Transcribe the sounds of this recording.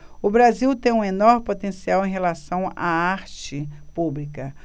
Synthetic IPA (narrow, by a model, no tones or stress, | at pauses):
ʊbɾaziwt̪ẽj̃ũenoɾmɪpot̪ẽsiawẽj̃ɦelasɐ̃w̃a̰aɾt͡ʃɪpublikɐ